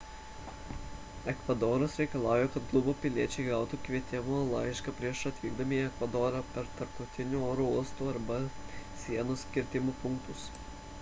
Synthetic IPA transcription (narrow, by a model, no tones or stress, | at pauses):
ɛkʋɐd̪oːɾɐsɾʲɛɪkɐlˠɑːˑʊjoːkɐt̪ɡlˠʊboːpʲɪlʲiɛt͡ʃʲɛɪɡɑʊt̪uːkʋʲiɛt̪ʲɪmoːlˠɐɪʃkɑpʲɾʲiɛʃɐt̪ʲʋʲiːɡ̚d̪ɐmʲiːɛkʋɐd̪oːɾɑːpʲɛɾt̪ɐɾpt̪ɒʊt̪ʲɪnʲuːoːɾuːuɔst̪uːɐɾbɐsʲiɛnoskʲɪɾʲt̪ʲɪmupʊŋkt̪ʊs